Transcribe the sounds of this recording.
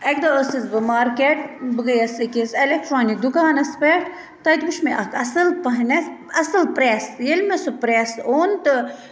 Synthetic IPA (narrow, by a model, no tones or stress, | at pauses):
ɐk̚d̪ɐəsizbɨmaːɾkeːʈ̚bɨɡɐjɐsɐkiselʲek̚ʈɾaːnik̚d̪ukaːnɐspeʈʰ | t̪ɐt̪buʃʰmeʔɐkʰɐsɨlpɐɦnɐsɐsɨlpɾeːsjelʲmesupɾeːsoːnt̪ɨ